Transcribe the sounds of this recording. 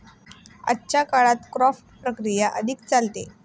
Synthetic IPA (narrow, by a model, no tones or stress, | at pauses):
a̰tːt͡ɕakaɭat̪kɾɔfʈpɾəkɾijaʔəd̪ʱik̚t͡salt̪e